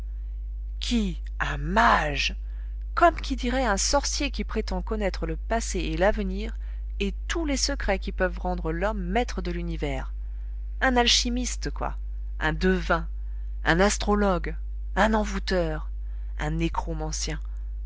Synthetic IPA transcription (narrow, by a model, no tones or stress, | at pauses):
kʲʰi | ãmaʒ | kɔmkʲid̪iʁɛɛ̃sɔʁsjekʲipχet̪ɑ̃kɔnɛt̪χələpaseelavniːʁ | et̪ulesəkχɛkʲipœvʁɑ̃d̪ʁəlɔmːɛt̪χəd̪əlynivɛːʁ | ɛ̃nalʃimist̪kwa̰ | ɛ̰̃d̪əvɛ̃ | ɛ̰̃nast̪χɔlɔɡ | ɛ̃nɑ̃vut̪œʁ | ɛ̃nekχɔmɑ̃sjɛ̃